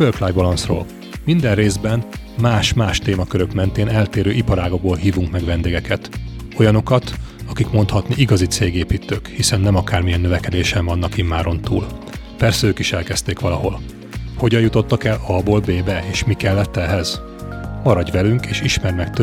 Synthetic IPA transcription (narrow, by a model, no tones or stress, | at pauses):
førflaːjbɒlɒnsro̰ːl | mind̪ɛnreːzbɛn | maːʃmaːʃt̪eːmɒkøɾø̞kmɛnt̪eːnɛlt̪eːɾøːʔipɒɾaːɡoɡ̚boːlɦiːvuŋkmɛɡʋɛnd̪eːɡɛkɛt̪ | o̞jɒno̞kɒt̪ɒkikmo̞nt̪hɒt̪niʔiɡɒzit̪seːɡeːpiːt̪ːøːkhisɛnːɛmɒkaːrmijɛnːøvɛkɛd̪eːʃɛɱvɒn̪ːɒkimːaːɾo̞nt̪uːl | pɛrsɛøːkiʃɛlkɛst̪eːkʋɒlɒho̞l | ho̞ɟɒjut̪o̞t̪ːɒkɛlɒboːlbeːbɛeːʃmikɛlːɛt̪ːɛɦɛz̥ | mɒɾɒɟʋɛlyŋkeːʃiʃmɛrmɛkt̪ø